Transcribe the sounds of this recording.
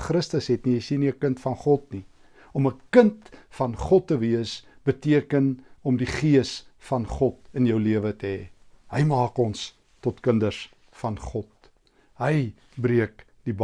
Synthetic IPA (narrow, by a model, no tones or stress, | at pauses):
χɾəstəsɦɛtnijəjsiniəkəntfɐnχɔtni | ɔməkəntfɐnχɔtːəviəs | b̥ətiəkənɔmdiχiəsfɐnχɔt̚ənjœwliəvətəɦɛːɦəjmɑːkɔns | tɔtkəndərs | fɐnχɔt̚ | ɦəj | briək | d̥ib